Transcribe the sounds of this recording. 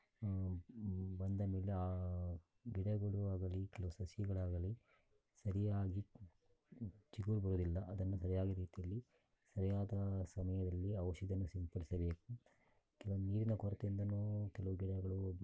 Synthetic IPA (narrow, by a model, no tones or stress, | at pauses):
bɐnd̪ɐmeːleaː | ɡiɽɐɡɐɭuaːɡɐlikɛlɐʋusɐsjɐɡɐɭaːɡɐli | sɐɾijaːɡi | t͡ʃiɡuɭbɐɾud̪ilːɐʔɐd̪ɐnːusɐɾijaːɡiɾiːt̪ijɐlːi | sɐɾijaːd̪ɐsɐmɐjɐd̪ɐlːiɐʋʃid̪ɐnːusimpɐɽisɐbeːku | kɛlɐʋuniːɾinɐkɔɾɐt̪eind̪ɐnuːkɛlɐʋuɡiɽɐɡɐɭu